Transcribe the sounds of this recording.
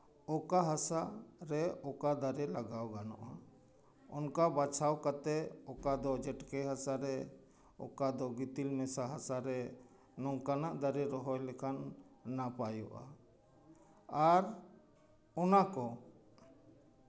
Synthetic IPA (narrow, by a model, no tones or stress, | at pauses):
ɔkaɦasaɾɛɔkad̪aɾɛlaɡawɡanɔ̰ʔa | ɔnkabat͡ʃʰawkat̪ɛɔkad̪ɔd͡ʒɛʈkɛɦasaɾɛ | ɔ̰kad̪ɔɡit̪ilmɛsaɦasaɾɛ | nɔŋkanaʔd̪aɾɛɾɔɦɔjlɛkʰanːapajɔʔa̰ | aɾ | ɔnakɔ